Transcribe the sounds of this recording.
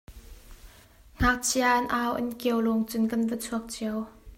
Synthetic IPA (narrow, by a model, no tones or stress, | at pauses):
ŋ̥ak̚t͡sʰiaʔɐnʔaːwʔɐ̰nkiəwluŋt͡sʊnkɐnvət͡sʰuɐk̚t͡siɐw